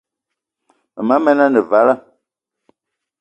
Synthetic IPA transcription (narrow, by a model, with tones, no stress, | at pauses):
mɨ˨ma˨˦mɛ˦na˦nɨ˨va˨˦la˦